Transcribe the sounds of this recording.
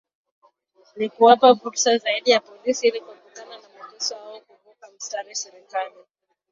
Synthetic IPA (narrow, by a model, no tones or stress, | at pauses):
nikuwapavuɾsazaiɗijapɔlisiilikuatukananamaɗɛsɔhaɔkupɔkam̩stanuasɛɾɛkali